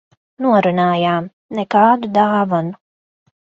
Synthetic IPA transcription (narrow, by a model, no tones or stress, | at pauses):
nuɐɾɨnaːjaːm | nekaːd̪d̪aːʋɐn